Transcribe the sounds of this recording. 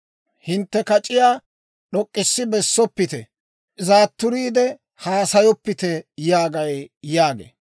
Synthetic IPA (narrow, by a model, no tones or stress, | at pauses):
hɪnt̪ːɛkɐt͡ʃʼɪjaː | ɗɔkʼːɪsːɪbɛsːɔpːɪt̪ɛ | ɪzaːt̪ːʊɾiːd̪ɛ | haːsɐjɔpːɪt̪ɛjaːɡɐjjaːɡḛ